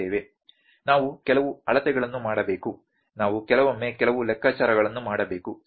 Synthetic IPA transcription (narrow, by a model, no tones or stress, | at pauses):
eːʋe | naːʋukɛlɐʋuɐɭɐt̪ɛɡɐɭɐnːumaːɽɐbe̞ːku | naːʋukɛlɐʋɐmːekɛlɐʋulɛkʰːaːt͡ʃaːɾɐɡɐɭɐnːumaːɽɐbe̞ːku